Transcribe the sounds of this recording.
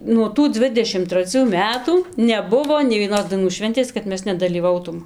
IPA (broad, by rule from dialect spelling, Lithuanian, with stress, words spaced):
nuɔ ˈtuː ˈd͡zʲʋʲɪdʲɛʃʲɪm trɐˈt͡sʲuː ˈmʲæːtuː nʲɛˈbʊʋoː nʲɛɪ ʋʲiɛˈnoːs dɐɪˈnuː ˈʃʲʋʲɛnʲtʲeːs kɐt ˈmʲɛs nʲɛdɐlʲiːˈʋɐʊtuːm